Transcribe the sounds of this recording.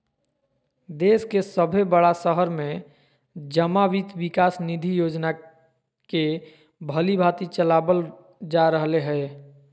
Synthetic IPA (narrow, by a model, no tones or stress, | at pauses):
d̪eskesəbʱebəɽasəɦəɾmẽ | d͡ʒəmaʋit̪bikasnid̪ʱijod͡ʒna | ke | bʱəlibʱat̪it͡ʃəlabəl | d͡ʒaɾəɦleɦɛ